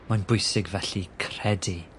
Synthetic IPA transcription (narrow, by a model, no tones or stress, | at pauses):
manbʊjsɪɡvɛɬikʰrɛdi